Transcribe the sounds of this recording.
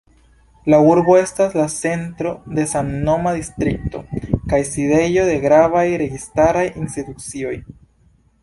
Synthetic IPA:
lauɾbo̞e̞staslase̞ntɾo̞de̞sanno̞madistɾik̚to̞̰kajside̞jo̞de̞ɡɾavajɾe̞ɡistaɾajinstitut͡sio̞j

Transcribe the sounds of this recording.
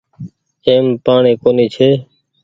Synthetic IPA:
eːmpaːɳeːkoːniːt͡ʃʰeː

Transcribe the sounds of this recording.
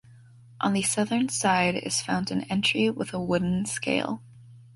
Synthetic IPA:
ʔə̃nðɨsʌðə̃˞nsaɪɾɪ̰z̥fãʊ̃ndɨ̃nɛ̃nt͡ʃɹ̥iwəðəwʊdⁿn̩skḛɪlˠ

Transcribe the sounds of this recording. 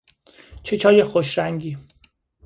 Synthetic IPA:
t͡ʃʰet͡ʃʰɒːje̞xoʃɾæŋɟiː

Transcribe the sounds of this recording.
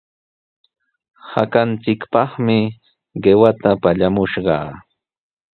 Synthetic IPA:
hakant͡sɪkpɑχmɪ | ɢewat̪apaʎamʊʃɢɑ̰ː

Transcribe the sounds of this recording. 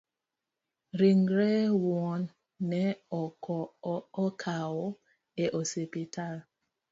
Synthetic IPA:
ɾiŋɡɾɛwɔnː | ɛɔkɔɔkʰawɔ | ɛʔɔsepitʰal

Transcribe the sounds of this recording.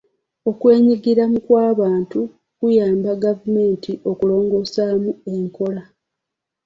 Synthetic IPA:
o̞kwe̞ːɲiɡiɾamukwaːβaːntu | kujaːmbaɡavume̞ːntʰiʔo̞kulo̞ːŋɡo̞samue̞ŋko̞la

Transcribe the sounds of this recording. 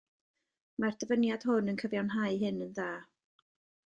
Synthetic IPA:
mardəvənjad̥hʊnənkʰəvjanɦaɨɦɨnənðaː

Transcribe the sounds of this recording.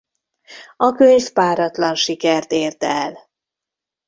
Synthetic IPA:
ɒkøɲspaːɾɒt̪lɒnʃikɛrt̪eːrt̪ɛl

